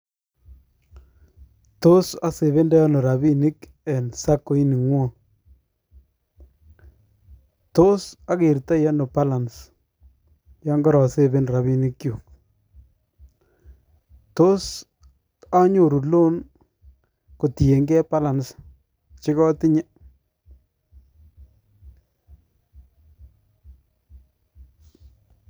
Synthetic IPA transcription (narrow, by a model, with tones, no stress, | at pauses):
to˦sa˨se˨βe˦nda˦ja˦no˨ɾa˨bi˦ni˦k | ɛ˨nsa˦kːo˨i˦ni˨ŋwɔ˦ | to˦sa˦ke˨ɾta˦ja˦no˨pa˦la˨ns | ja˦ŋɡɔ˦ɾɔ˨se˦be˦nɾa˨bi˦ni˦kːju˨k | to˦s | a˦ɲo˨ɾu˨lo˦n | ko˨ti˨je˨ŋɡɛ˦pa˦la˨ns | t͡ʃɪ˦kɔ˦tɪ˦ɲɛ˦